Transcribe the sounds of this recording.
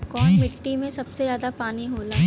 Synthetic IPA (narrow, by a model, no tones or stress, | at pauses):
kɔːnmɪʈːimẽsɐbsezjaːd̪apaːniɦoːlaː